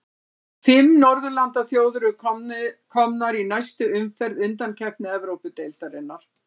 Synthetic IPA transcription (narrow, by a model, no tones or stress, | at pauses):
fɪmnɔɾðʏlant̪aθjoːwðʏɾʏ | kʰɔmnaɾinajst̪ʏʏmfɛɾðʏnt̪ancʰɛhpnʏɛvɾowpʏt̪ejlt̪aɾɪnːaɾ̥